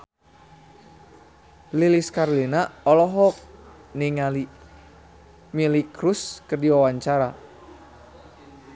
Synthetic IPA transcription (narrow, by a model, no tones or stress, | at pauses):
liliskaɾlinaɔlɔɦɔk̚ | niŋali | milikɾuskɨrdiwawaɲt͡ʃaɾa